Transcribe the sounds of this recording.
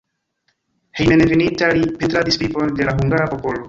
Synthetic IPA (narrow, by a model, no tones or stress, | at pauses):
he̞jmenevinitalipetɾadispɾiponde̞laɦuŋɡaɾapo̞po̞lo̞